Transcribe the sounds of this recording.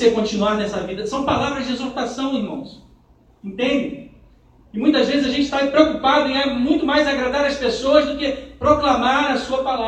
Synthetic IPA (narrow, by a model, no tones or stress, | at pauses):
sekõnt͡ʃĩnuaɾnɛsɐvid̪ɐsɐ̃w̃palavɾɐzd͡ʒɪezoɾt̪asɐ̃w̃ɪɾmɐ̃w̃s | ẽnt̪ẽnd͡ʒɪ | ɪmũj̃t̪ɐzvezɪzaʒẽnt͡ʃɪ̥t̪apɾeokupad̪ʊẽamũj̃t̪ʊmajzaɡɾad̪aɾɐspesoɐzd̪ʊkepɾoklamaɾɐsuɐpala